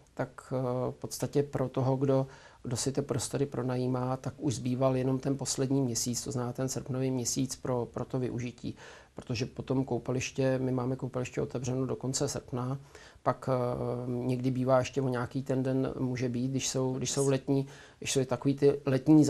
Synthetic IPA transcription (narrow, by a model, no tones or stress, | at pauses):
t̪akfpo̞t̪st̪acɛpɾo̞t̪o̞ɦo̞ɡdo̞ | ɡdo̞sɪt̪ɪpɾo̞st̪o̞ɾɪpɾo̞najiːmaːt̪akuʒzbiːvaljɛno̞mt̪ɛnpo̞slɛdɲiːmɲɛsiːt͡st̪oznnaːt̪ɛnsr̩pnoviːmɲɛsiːt͡spɾo̞pɾo̞t̪o̞vɪ̰ʔuʒɪcḭː | pɾot̪o̞ʒɛpo̞t̪o̞mkowpɛlɪʃcɛmɪmaːmɛkowpɛlɪʃcɛo̞t̪ɛvr̝ɛnodo̞ko̞nt͡sɛsr̩pna | pak | ɲɛɡdɪbiːvaːjɛʃcɛvoɲaːkiːt̪ɛndɛnmuːʒɛbiːt̪ɡdɪʃso̞wɡdɪʃso̞wlɛt̪ɲiː | ɡdɪʃsowt̪akoviːt̪ɪlɛt̪ɲiːz